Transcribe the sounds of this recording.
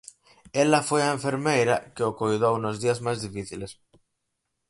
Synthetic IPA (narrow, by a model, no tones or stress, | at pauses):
elafweaeɱfeɾmejɾakeokoiðounozðiazmazðifiθiles